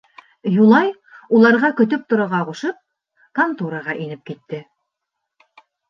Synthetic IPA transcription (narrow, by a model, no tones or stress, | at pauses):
julˠɑj | ulˠɑɾʁɑkɵ̆t̪̬ɵp̚t̪ŏɾŏʁɑʁuʃɤp̚ | kɐnt̪uɾɑʁɑʔinɘp̚kit̪ːɘ